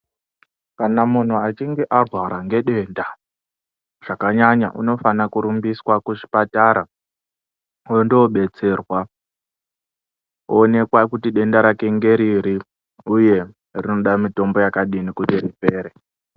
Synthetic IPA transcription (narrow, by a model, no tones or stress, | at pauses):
kanamun̤uat͡ʃiŋɡeʔarwaɾaŋɡe̞ɗe̞ːnda | ʐ̥akaɲaɲa̰ʔṵno̞fanakuɾumbiswakuʐipataɾa | ondoɓe̞t͡se̞rwa | one̞kwakutiɗe̞ndaɾake̞ŋɡe̞ɾiɾi | uje̞ | rino̞ɗamito̞mbo̞jakaɗinikutiɾipeːɾe